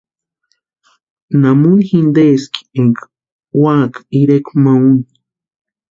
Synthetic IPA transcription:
namunxind̪eski̥eŋka | waːkḁiɾekmaun

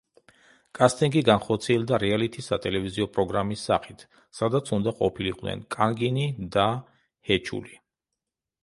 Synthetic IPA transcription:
kʼast̪ʼiŋɡiɡanχɔɾt̪sʰiɛld̪aɾɛalit̪ʰisat̪ʼɛlɛviziɔpʼɾɔɡɾamisːa̰χit̪ʰ | sad̪at̪sʰund̪aqʼɔpʰiliqʼnɛ̰nkʼaŋɡinid̪a | hɛt͡ʃʰṵli

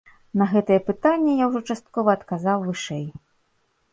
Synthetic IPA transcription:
nɐɣɛt̪ɐjɛpɨt̪anʲːɛjawʐɔt͡ʂast̪̚kɔvɐːt̪kazawvɨʂɛj

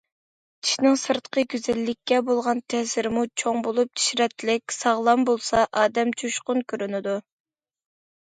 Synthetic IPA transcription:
t͡ʃʰi̥ʃnɪŋsɨɾt̪qʰəɡʲyzɛlːɪkʲːɛbolˠʁɑnt̪ʰɛːsɪɾɪmut͡ʃʰoŋbolˠup̚t̪ʰi̥ʃɾɛt̪ʰːɪlɪkʲsɑʁlˠɑmbolˠsɑʔɑːd̪ɛmt͡ʃʰuʃqʊnkʲʰøɾynɪd̪u

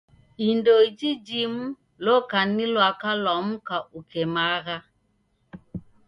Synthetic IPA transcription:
indoid͡ʒid͡ʒimu | lokanilwakalɔmukaʔukemaɣa

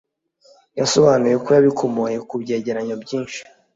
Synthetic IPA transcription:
jaso̞βaːnuje̞kojaβikʰomoje̞kubɟe̞ːɟe̞ɾaɲobɟiːnʃi̥

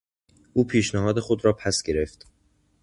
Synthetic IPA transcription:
ʔuːpʰiːʃnæɦɒːd̪e̞xo̞d̪ɾɒːpʰæsɡ̥e̞ɾe̞ft̪

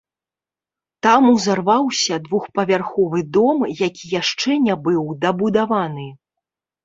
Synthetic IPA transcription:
t̪amuzarvawsʲɐd̪vuxpɐvʲarxɔvɨd̪ɔmjakʲijaʂt͡ʂɛnʲabɨwd̪ɐbud̪avanɨ

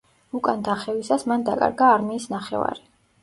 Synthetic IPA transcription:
ukʼand̪aχɛvisasmand̪akʼa̰ɾɡaːɾmiːsnaχɛ̰va̰ɾi

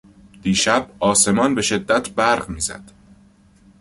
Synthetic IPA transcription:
d̪̥iːʃæbɒːse̞mɒːnbe̞ʃe̞d̪ːæt̪ʰbæɾʁmiːzæ̰d̪̥

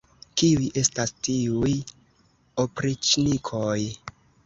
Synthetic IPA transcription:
kiujʔe̞stastiuj | opɾit͡ʃnikʰoj

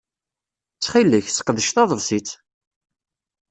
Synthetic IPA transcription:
t͡sːχilːəçsə̥qːəðəʃθɑðˤəvsit͡sː

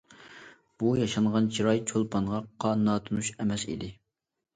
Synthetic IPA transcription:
b̥ujɑʃɑɴʁɑnt͡ʃʰiɾɑjt͡ʃʰolˠpʰɑnʁɑqʰɑnɑːt̪ʰunuʃɛmɛsḭd̪ɪ

